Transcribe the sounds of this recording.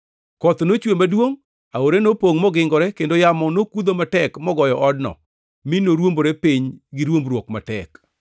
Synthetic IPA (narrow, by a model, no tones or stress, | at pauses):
kɔt̪not͡ʃwemadwoŋ | aoɾenopoŋmɔɡɪŋɡɔɾɛkendojamɔnokud̪omatɛkmɔɡɔjɔʔɔdnɔ̰ | minoɾwomboɾepiɲɡiɾwombɾwokmatɛk